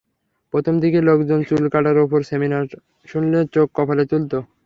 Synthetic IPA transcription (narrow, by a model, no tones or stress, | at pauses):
pɾot̪ʰomd̪ikelokd͡ʑont͡ɕulkaʈaɾopoɾseminaɾ | ʃunlet͡ɕokːɔpʰalet̪ult̪o